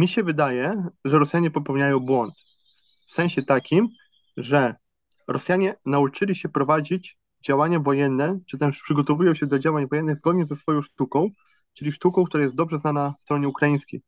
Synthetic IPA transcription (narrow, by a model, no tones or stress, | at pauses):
mʲiɕɛvɘd̪ajɛʐɛɾɔsʲjaɲɛpɔpɛwɲajɔ̃w̃bwɔnt̪ | fsɛ̃w̃ɕɛt̪akʲim | ʐɛ | ɾɔsʲjaɲɛnaut͡ʂɘlʲiɕɛpɾɔvad͡ʑid͡ʑ | d͡ʑawaɲavɔjɛnːɛt͡ʂɘt̪ɛʂpʂɘɡɔt̪ɔvujɔ̃w̃ɕɛd̪ɔd͡ʑawaɲvɔjɛnːɘɣzɡɔd̪̚ɲɛzɛsfɔjɔ̃w̃ʂt̪ukɔ̃w̃ | t͡ʂɘlʲiʂt̪ukɔ̃w̃kt̪uɾajɛst̪d̪ɔbʐɛznanafst̪ɾɔɲɛukɾajĩskʲḛj